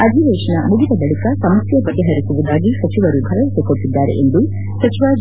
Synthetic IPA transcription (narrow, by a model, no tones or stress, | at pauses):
ɐd̪ʱiʋeːʂɐnɐmuɡid̪ɐbɐɭikɐsɐmɐsjɐbɐɡeɦɐɾisuʋud̪aːɡisɐt͡ʃiʋɐɾubʱɐʋɐʋisekoɽʈːid̪ːaːɾḛʔend̪u | sɐt͡ʃiʋaː